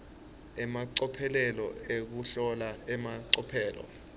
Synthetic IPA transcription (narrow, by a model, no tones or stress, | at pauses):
ɛmaǀɔpʰɛlɛlɔek̬uɬɔlaɛmaǀɔpʰɛːlɔ̰